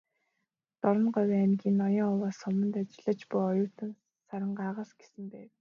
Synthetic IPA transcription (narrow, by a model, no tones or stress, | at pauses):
t̪ɔɾɞ̆nɢɔwæːnɡʲiːnːɔjɞŋɔwaːsʊmə̆nt̪at͡ɕɪ̆ɮə̆t͡ɕpʊjɔjʊːt̪ə̆n | saɾɪ̆ɴɢaːʁaːsɡ̥e̥sɘ̆mpæːw